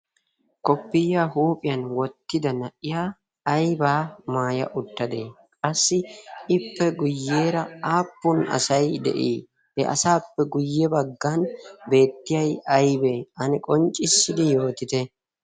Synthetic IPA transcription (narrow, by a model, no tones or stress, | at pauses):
kʼɔpːɪjːaːhuːpʼɪjɐnwɔt̪ːɪd̪ɐnɐʔɪjaː | jbaːmaːjɐ̰ʔʊt̪ːɐd̪e | kʼɐsːɪɪpːɛɡʊjːe̞ːɾɐaːpːʊnɐ̰sɐjd̪ɛ̰ʔḭː | hɛʔɐ̰saːpːɛɡʊjːɛbɐɡːanbe̞ːt̪ːɪjɐjɐjbeʔɐnɪkʼɔnt͡ʃʼɪsːɪd̪ɪjo̞ːt̪ɪt̪ɛ